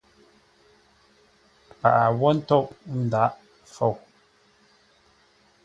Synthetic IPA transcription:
pa̰˨ʔa˨wɔ˦n̩˦tɔ˦˨ʔ̚n̩˨da˨˦ʔ | fo˦˨w

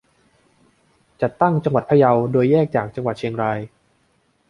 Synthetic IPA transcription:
t͡ɕa˨˩t̪ːa˥˩ŋt͡ɕa˧ŋwa˨˩t̪̚pʰa˧ja˧wdoː˧jːɛː˥˩k̚t͡ɕaː˨˩k̚t͡ɕa˧ŋwa˨˩t̪̚t͡ɕʰi˧əŋɾaː˧j

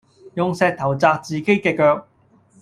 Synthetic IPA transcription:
jʊ˨ŋsɛː˨˧k̚t̪ʰɐ˨˩wt͡saː˧k̚t͡siː˨ke˥jkɛː˧kœː˧k̚

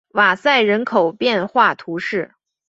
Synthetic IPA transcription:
ma˨˩sa˥˩ɪɻə˧˥nkʰo˨˩ʊpjɛ˥˧nxwa˥˩t̪ʰu˧˥ʂɻ̩˥˩

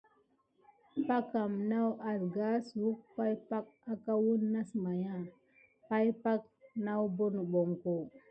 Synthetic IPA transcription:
pa˦ka˨mna˦wʔa˨ɾɡa˦su˨˦k̚pa˦jpa˦k̚a˦ka˦wu˦nːa˦sma˨ja˦˨ | pa˦jpa˦k̚ | na˦wbo˦nu˨bo˨ŋko˨

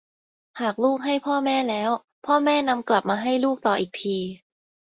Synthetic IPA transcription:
haː˨˩k̚luː˥˩k̚ɦa˥˩jpʰɔː˥˩mɛː˥˩lɛː˦˥w | pʰɔː˥˩mɛː˥˩na˧mkla˨˩p̚maː˧ɦa˥˩jluː˥˩k̚t̪ɔː˨˩ʔiː˨˩k̚t̪ʰiː˧

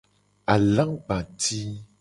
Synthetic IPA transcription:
a˨lã˦ŋɡ͡bã˨ti˦

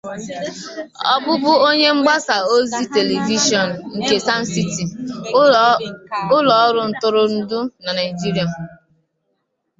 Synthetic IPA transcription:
ɔ̰˦bʊ˦bʊ˦o˦ɲe˦ŋ͡m̩˦ɡ͡ba˦sa˨o˦zi˦te˨le˨vi˦ʃɔ˨n̩˨ŋ̩˨ke˨sa˦n̩˦si˦ti˨ | ʊ˦lɔ˨˦ɾʊ˨n̩˦tʊ˦ɾʊ˦n̩˦dʊ˦na˨na˨ɪ˨d͡ʒi˦ɾi˨a˨m̩˨

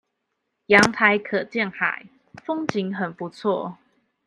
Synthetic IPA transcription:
jɑ˨˦ŋt̪ʰa˨˦ɪkʰə˨˩t͡ɕjɛ˥˨nxa̰˨˦ɪ | fɔ˦ŋt͡ɕi˨˦ŋɦə˨˩npu˨˦t͡sʰwɔ˥˨

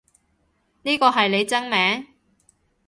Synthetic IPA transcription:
niː˥kɔː˧ɦɐ˨jle˨˧jt͡sɐ˥ŋmɛː˨˥ŋ

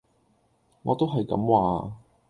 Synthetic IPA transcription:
ŋɔ̰ː˨˧t̪o˥wɦɐ˨jkɐ̰˨˥mwaː˨˧

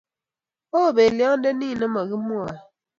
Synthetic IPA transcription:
o˦˨be˨ljɔ˦ŋn˦de˦ni˦˨nɛ˦mɔ˨ɣi˦mu˦a˨

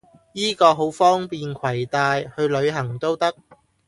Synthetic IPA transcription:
jiː˥kɔː˧ɦo˨˥wfɔː˥ŋpiː˨nkʰɐ˨˩jt̪aː˧jhɵ˧ɥlɵ˨˧ɥɦɐ˨˩ŋt̪o˥wt̪ɐ˥k̚

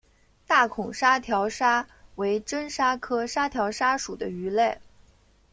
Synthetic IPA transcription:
t̪a˥˩kʰʊ˨˩ŋʂa˥t̪ʰjɑ˧˥ʊʂa˥we˧˥ɪʈ͡ʂə˥nʂa˥kʰɤ˥ʂa˥t̪ʰjɑ˧˥ʊʂa˥ʂu˨˩d̪ə˦y˧˥le˥˩ɪ

